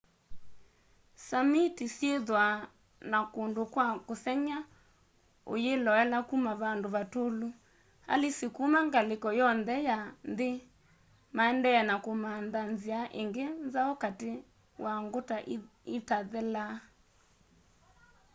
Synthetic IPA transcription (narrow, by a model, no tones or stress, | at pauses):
samitisjeðwa | nakondokwakoθɛɲa | o̰jelɔɛlakumaβandoβatolo | a̰lesekumaŋɡalekɔjɔnðɛjanðe | maɛndɛɛnakomanðanziaʔḛŋɡenzaɔkate | wʔaŋɡotaːtaðɛla